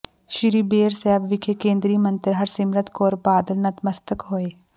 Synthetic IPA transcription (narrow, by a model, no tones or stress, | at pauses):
ʃɪɾiːbeːɾsɛːbʋɪkʰeːkẽːnd̪ɾiːmənt̪əɾɦɐɾsɪmɾət̪koːɾbaːd̪əlnət̪məst̪əkɦoːeː